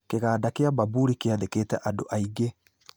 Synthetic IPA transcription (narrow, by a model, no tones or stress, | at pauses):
keɣaːdakeababuɾikeaðekeːtɛʔandoʔaiɡe